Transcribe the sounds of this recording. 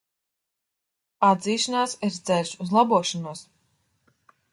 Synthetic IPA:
ad̪ziːʃanaːsiɾt̪zɛlʲʃuzlˠabuɔʃanuɔs

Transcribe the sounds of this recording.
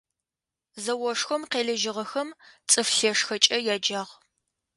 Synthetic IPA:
zɐwɔʂxʷɐmqeːɮɐʒɪʁɐxɐmt͡sʼɨfɬeːʂxɐt͡ʃʼɐjaːd͡ʒaːʁ

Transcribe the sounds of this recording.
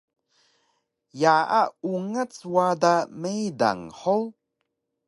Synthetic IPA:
jaʔauŋət͡swadamejda̰ŋħow

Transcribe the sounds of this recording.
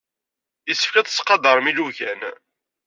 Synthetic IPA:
əsːə̥fkæθə̥sqɑd̪əɾˤmiluʝæn

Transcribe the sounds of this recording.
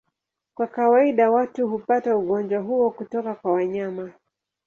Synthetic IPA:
kwakawaiɗawatuhupatauɠɔnd͡ʒwaɦuɔkutɔkakwawaɲama

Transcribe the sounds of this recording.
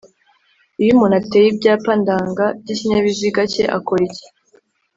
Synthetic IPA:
ijimunatejibɟaːpandaːŋɡab̚ɟiciɲeβiziɡaceʔa̰koɾice̥

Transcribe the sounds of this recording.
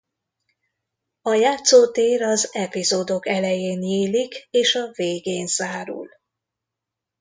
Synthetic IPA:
ɒjaːt̪soːt̪eːɾɒzɛpizoːd̪o̞kɛlɛjeːnjeːlikeːʃɒveːɡeːnz̥aːɾṵl

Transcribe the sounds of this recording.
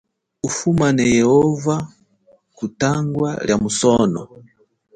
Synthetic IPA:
ufumanɛjɛhɔva | kutaŋɡwaljamusɔnɔ̰

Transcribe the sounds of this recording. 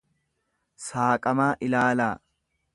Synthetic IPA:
saːkʼɐmaːʔɪlaːlaː

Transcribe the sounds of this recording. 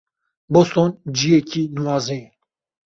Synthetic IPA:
bost̪oːnd͡ʒijekiːnuwaːzeː

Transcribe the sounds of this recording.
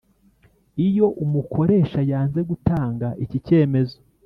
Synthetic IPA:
ijo̞ʔumuko̞ɾe̞ːʃajaːnze̞ɡutaːŋɡaʔicice̞ːme̞zo

